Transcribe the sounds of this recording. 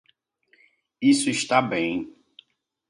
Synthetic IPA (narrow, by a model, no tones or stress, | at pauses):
isʊiʃt̪abẽj̃